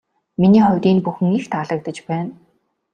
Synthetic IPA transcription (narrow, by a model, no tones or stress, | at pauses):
miniːχɔwʲt̪iːnpuxɘ̆ŋixt̪ʰaɮə̆k̚t̪ə̆t͡ɕpæːn